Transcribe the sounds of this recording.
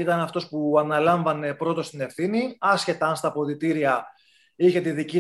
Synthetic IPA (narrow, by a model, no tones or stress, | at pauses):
it̪ɐnɐft̪o̞spuɐnɐlɐɱvɐne̞pɾo̞t̪o̞st̪ine̞fθiniɐsçe̞t̪ɐɐnst̪ɐpoðit̪iɾiɐ | içe̞t̪iðici